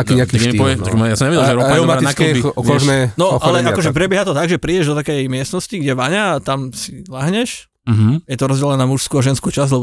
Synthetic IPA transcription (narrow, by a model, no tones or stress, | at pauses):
kːaɛnipɔʋɛɔʒmjasɔmɲɛʋɛɟɛlʒɛɾɔaɛmaaiakluɛbiɔʒnɛnɔxalɛakɔʒɛpɾɛbɪɛɦat̪ɔt̪aɡʒɛpɾiːɟɛʒd̪ɔt̪akɛjmɪɛst̪nɔsciɡɟɛʋaɲaːt̪amsilaɦɲɛʃ | m̩ɦm̩jɛt̪ɔɾɔzɟɛlɛnamuʃskuaʒɛnskut͡ʃazlɛbɔ